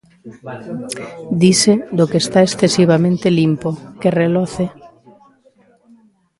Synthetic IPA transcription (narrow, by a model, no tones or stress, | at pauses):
d̪ised̪okeːst̪aesθesiβ̞amẽnt̪elimpokerelɔθe